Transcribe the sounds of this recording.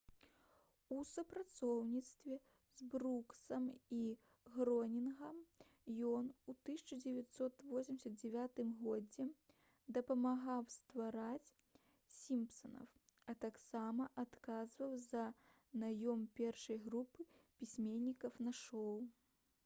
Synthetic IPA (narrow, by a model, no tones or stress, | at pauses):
usupɾat̪sɔwnʲit̪st̪vʲɛ | zbɾuksɐmi | ɣɾɔnʲinɣɐm | jɔnut̪ɨsʲit͡ʂɐd͡zʲɛvʲat̪sɔt̪vɔsʲimʲsʲɐt̪̚d͡zʲɛvʲat̪ɨmɣɔd͡zʲɛ | d̪ɐpɐmaɣawst̪vaɾat͡sʲ | sʲimpsɐnɐ̰wɐt̪aksamɐʔat̪kazvɐwzɐ | najɔmpʲɛrʂɐjɣɾupɨpʲisʲmʲenʲːikɐwnɐʂɔw